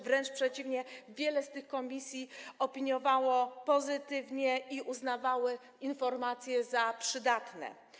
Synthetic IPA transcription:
vɾɛnt͡ʂpʂɛt͡ɕivɲɛvʲjɛlɛst̪ɘxkɔmʲisʲjiɔpʲiɲjɔvawɔpɔzɘt̪ɘvɲɛʔiʔuznavawɘ | infɔɾmat̪sʲjɛzapʂɘd̪at̪nɛ̰

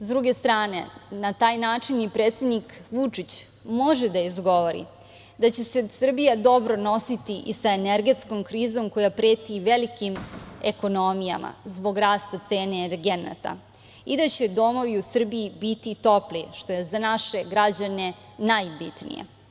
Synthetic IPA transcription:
zd̪ɾuɡe̞st̪ɾaːnḛnat̪aːjnaːt͡ʂinipɾeːt̪sed̪nikʋut͡ʂit͡ɕ | mo̞ʒed̪aizɡo̞ʋo̞ɾḭ | d̪at͡ɕesesr̩bijad̪o̞bɾo̞no̞sit̪iʔisaeneɾɡe̞t̪sko̞mkɾiːzo̞mko̞japɾeːt̪iʋelikimeko̞no̞mija̰ma̰zbo̞ɡɾaːst̪at̪se̞ːneːɾɡena̰t̪a̰ | id̪at͡ɕe̞d̪o̞mo̞ʋiusr̩bijibit̪it̪o̞pliʃt̪o̞je̞zanaʃe̞ɡɾad͡ʑane̞ | najbit̪nḭjḛ

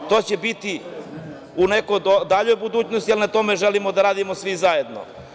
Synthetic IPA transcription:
t̪o̞ːt͡ɕebit̪i | unekod̪od̪aʎojbud̪uːt͡ɕnost̪ijelnat̪o̞me̞ʒelimod̪aɾaːd̪imosʋizajed̪no̰

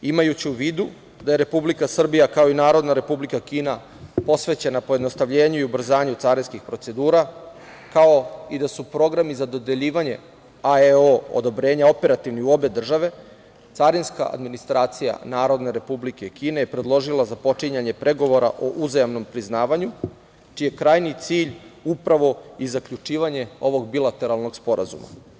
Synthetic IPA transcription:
imajut͡ɕiuʋiːd̪u | d̪aje̞ɾe̞publikasr̩bijakao̞inaːɾo̞d̪naɾe̞publikakiːna | po̞sʋe̞t͡ɕe̞napo̞jed̪no̞st̪aʋʎe̞ːɲuiubr̩zaːɲut̪saɾinskixpɾo̞t̪se̞d̪uːɾa | kao̞id̪asupɾo̞ɡɾamizad̪o̞d̪e̞ʎiːʋaɲe̞̰ | aeoo̰d̪o̞bɾe̞ːɲao̞pe̞ɾat̪iʋniuo̞be̞d̪r̩ʒaʋe̞ | t̪saɾinska̰ʔa̰d̪minist̪ɾaːt̪sija̰naːɾo̞d̪ne̞ɾe̞publike̞kiːne̞jepɾe̞d̪lˠo̞ʒilˠazapo̞t͡ʂiɲaɲe̞pɾʔe̞ɡo̞ʋo̞ɾa̰ʔo̞ʔuzajamno̞mpɾiznaːʋaɲu | t͡ʃije̞kɾaːjnit̪siːʎupɾaʋo̞izakʎut͡ʃiːʋaɲe̞o̞ʋo̞ɡbilat̪e̞ɾalˠno̞ɡspo̞ɾa̰zṵma̰

